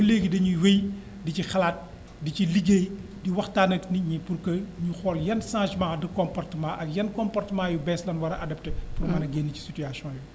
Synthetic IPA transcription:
uleːɡidɐɲuwej | dicixɐlaːt̚ | diciliɡeːj | diwɐxtaːnɐkniɲipurkɐɲuxɔːljɐnsãːʒmãːdɐkɔmpɔrtəmãːʔɐkjɐnkɔmpɔrtəmãjubɛslɐnwɐɾɐʔɐdɐptepurmɐnɐɡeːnːici̥sityasjɔ̃ːju

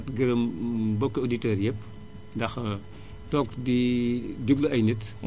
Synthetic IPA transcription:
tɡɐɾɐmbɔkːeoditɐːɾjɛp | dɐx | tɔːkdidiplɐɐjnit

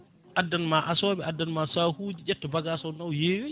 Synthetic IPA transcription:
ʔadːanmaʔasɔːbɛʔadːanmasaːhuːd͡ʒid͡ʒɛtːɔbaɡasɔnawjeːjo

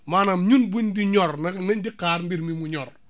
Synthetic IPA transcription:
manamɲunbindiɲɔɾnɛmɛndikaɾmbiɾmimuɲɔɾ

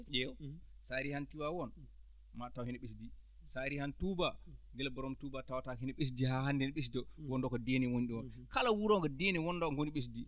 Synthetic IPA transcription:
d͡ʒɛwsaɾihantiwawɔn | matawhinɛɓesdi | saɾihantubaɡɛlbɔɾɔmtubatawatahinɛɓes̬dihaɦandɛnɓes̬dɔwɔndɔkɔdeniwonɗiwɔnkalawuɾɔŋɡɔdeniwɔnːdɔkŋɡoniɓes̬di

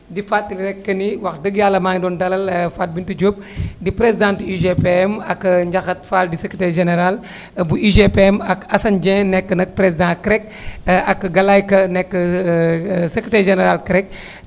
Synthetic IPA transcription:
difat̚ːiliɾɛkːɐniwɐxdəɡjaːlːɐmaːŋdɔːndɐlɐlfat̚bintud͡ʒoːp̚ | dipɾezidãːntiʒepeɛmɐkːɲɟɐxɐt̚faldisəkitɛːɾʒenɛɾal | buiʒepeɛmɐkɐsɐnd͡ʒɛ̃nɛkːənɐk̚pɾezidãkɾɛk | ɐkɡɐlajkɐnɛkːə | səkɾetɛːɾʒenɛɾaːlkɾɛk̚

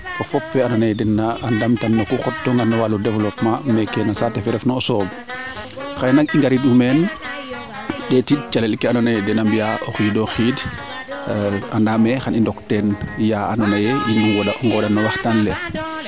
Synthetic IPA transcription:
ɔfɔpːɛanɔnajɛdɛnaandamtanːɔkuxɔtːɔŋɡanːɔwaludɛvlɔpmãmɛkɛnasatɛfɛɾɛfnɔɔsɔːb | xajnak̚iŋɡaɾidumɛn | ɗɛtid̚t͡ʃalɛlkɛanɔnajdɛnambijaʔoxiːdɔxiːd | andamɛxanindɔktɛnjaanɔnɐjelinɔŋɡɔŋɡɔɗanːɔwaxtanlɛ

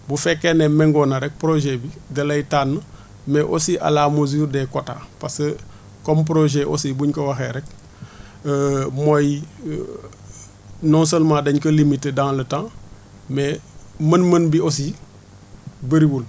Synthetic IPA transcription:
bufɛkːenemɛŋɡɔnaɾɛk̚pɾoʒebiɡɐlɐjtaːnːə | mɛʔosiʔa̰laːmozuːɾdɛkota̰ːpasə | komp̬ɾoʒeʔo̰sibuɲkowaxeɾɛk̚ː | moj | nɔnsəlmãdɐɲkɐlimitːedãŋlɐtã | memɐnmənbios̬i | bəɾiwul

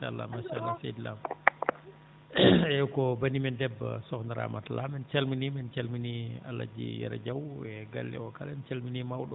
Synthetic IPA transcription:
ala̰maʃalasɛdlam | ɛkɔbanimɛndɛbːa̰sɔknaɾa̰matalamɛnt͡ʃalminimɛnt͡ʃalminia̰lːa̰d͡ʒḭja̰ɾa̰d͡ʒawɛɡa̰lːɛ̰ɔkalant͡ʃalminimawɗɔ

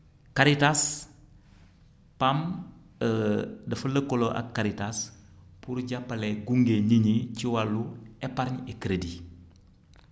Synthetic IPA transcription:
kaɾitas | pam | ədɐfələkoloʔa̰kːaɾitaspuɾɟapːɐleɡuŋɡeɲiɲiciwalːuepaɾɲekɾedi

